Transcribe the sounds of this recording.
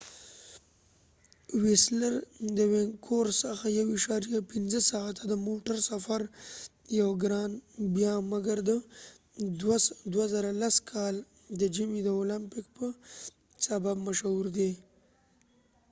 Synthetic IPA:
wesləɾd̪əweŋkʰoɾsəxajawɪʃɑɾijapinzəsaɣat̪ʰad̪əmoʈaɾsafaɾ | jawɡɾɑnbjɑmaɡaɾd̪ə | d̪wazaɾalaskʰɑl | d̪əd͡ʒimid̪əolampɪk̚pə | sababmaʃhuɾd̪e

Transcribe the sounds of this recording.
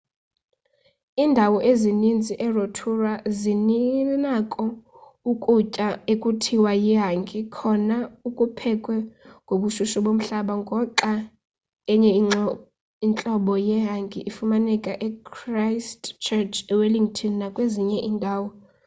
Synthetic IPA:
iːndʱawɔʔezinind͡zʱiʔɛrotʰurazininakʼɔ | ukʼut͡ʃʼaekʼutʰiwajiɦaŋɡʱikʰɔnaukʼupʰɛkʼwɛŋɡʱoɓuʃuʃɔɓom̩ɬaɓaŋɡʱɔǁa | ɛɲɛ | int͡ɬʼɔɓɔjɛɦaŋɡʱiʔifumanɛkʼaʔɛkrajstt͡ʃʰɛt͡ʃʰɛwɛliŋtʰɔnnakʼweziɲɛʔiːndʱaːwɔ

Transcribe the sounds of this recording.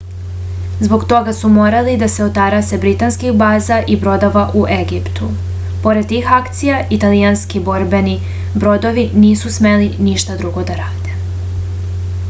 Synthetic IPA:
zbo̞ɡt̪o̞ɡasumoːɾalid̪ase̞ot̪aɾase̞bɾit̪anskixbaːzaʔibɾo̞d̪oʋaʔuʔeɡipt̪u | po̞ɾet̪iːxakt̪sijaʔit̪alijanskibo̞ɾbe̞ni | bɾo̞d̪o̞ʋiniːsusme̞liniʃt̪ad̪ɾuɡo̞d̪aɾaːd̪̥e̞

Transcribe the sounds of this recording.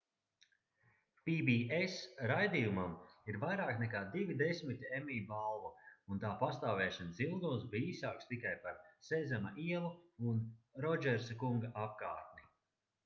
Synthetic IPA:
pibiːesɾajd̪iːjumamiɾvajɾaːknɛkaːd̪ivid̪esʲmit̪ʲemiːbalˠvuunt̪aːpast̪aːvɛːʃɛnzilˠd̪unsbiiːsaːkst̪ikajpaɾsezʲamaʔiɛlˠuunɾɔd͡ʒɛɾsakuŋɡaʔap̚kaːɾt̪ni

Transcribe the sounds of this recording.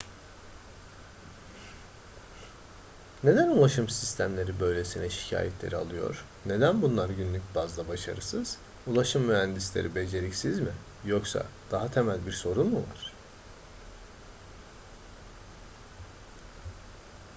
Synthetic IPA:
ne̞d̪ænulˠaʃɯmsist̪ʰæmlʲe̞ɾibø̞jlʲe̞sinɛʃi̥cʰa̰ːjɛt̪ʰlʲe̞̰ɾia̰lˠɯjo̞̰ɾ̥ | ne̞d̪ænbunlˠaɾɟynlʲyc̚bazd̪ˠabaʃa̰ɾɯsɯz̥ | ulˠaʃɯmːyhænd̪islʲeɾʔibe̞d͡ʒe̞ɾicsizmi | joksa̰d̪̥aɦat̪ʰe̞mælʲbiɾso̞ɾunmuva̰ɾ̝̥

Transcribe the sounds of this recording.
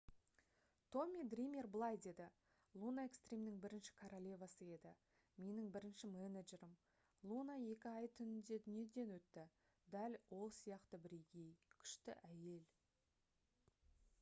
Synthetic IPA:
t̪ʰo̞mʲid̪rijmʲe̞rblˠɑjd̪e̞d̪ɪ | lˠunae̞kst̪rʲe̞mnɪŋbɪɾɪnʃɪ̥kʰoɾolʲevɑsəe̞d̪ɪ | me̞nɪŋbɪɾɪnʃɪmeneʒe̞ɾəm | lˠunaje̞kʲɪɑjt̪ʰʏnɪnd̪e̞d̪ʏnije̞d̪e̞nwɵt̪ːɪ | d̪ælwo̞lˠsijɑqt̪əbɾeɡʲejkʲʰʏ̥ʃt̪ɪ̰ʔæje̞l

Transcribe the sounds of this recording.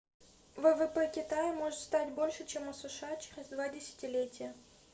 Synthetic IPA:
vɛvɛpɛkʲɪt̪ajɪmo̞ʐɨt̪st̪atʲbo̞lʲʂɨt͡ɕemʊsəʂɨat͡ɕeɾʲɪzd̪vadʲɪsʲɪ̥tʲɪlʲetʲɪjə

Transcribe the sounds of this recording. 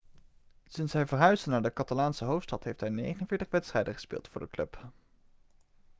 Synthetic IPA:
sɪnsɛjvəɹɦœɥzənaːɹdəkɑtalaːnsəɦowftstɑtɦejftɦɛjnḛjχənənv̥ɪːɹtəχʋɛtstrɛjdəχə̥spɪ̰ːlˠtfʊːɹdəklɵp

